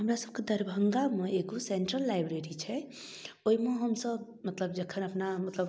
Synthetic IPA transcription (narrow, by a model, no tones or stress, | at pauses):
ɦəmɾasəb̚ked̪əɾbʱəŋɡameeɡoseɳʈɾəlːajbɾeɾit͡ʃʰɛ | oimeɦəmsəb | mət̪ləbd͡ʒəkʰənəpnamət̪ləb